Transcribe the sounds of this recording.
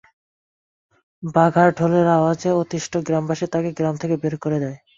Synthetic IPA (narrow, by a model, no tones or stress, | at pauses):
baɡʱaɾʈʰoleɾaad͡ʑeot̪iʃʈʰoɡɾambaʃet̪akeɡɾamt̪ʰekebeɾkoɾed̪ae